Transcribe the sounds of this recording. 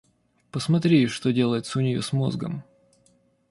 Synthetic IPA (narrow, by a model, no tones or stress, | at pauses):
pəsmɐt̪ɾʲiʂt̪o̞dʲe̞lˠəjɪt̪səʊnʲɪjo̞̰smo̞̰zɡə̰m